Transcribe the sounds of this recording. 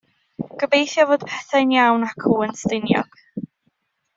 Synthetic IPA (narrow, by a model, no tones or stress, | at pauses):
ɡ̥əbejθjɔvoːd̥̚pʰɛθanjawnakʰuːənstɪnjɔ̰ɡ̥